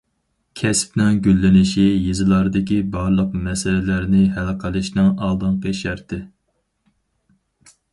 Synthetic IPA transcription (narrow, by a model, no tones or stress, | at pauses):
kʲʰɛsp̚nɪŋɡʲylːɪnɪʃijezɨlˠɑɾd̪ɪkʲibɑɾlˠəqmɛsɛlɪlæɾnɪɦælqʰəlˠɨʃnɨŋɑlˠd̪ɨŋqeʃæɾt̪ʰɪ